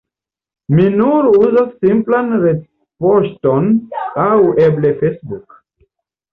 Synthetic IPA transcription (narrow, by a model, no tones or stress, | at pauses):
minuɾuzasːimplanɾe | poʃtonaweblefejsbuk